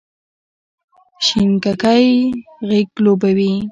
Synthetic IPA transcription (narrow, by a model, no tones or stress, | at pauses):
ʃɪŋkakajɣekloːbawi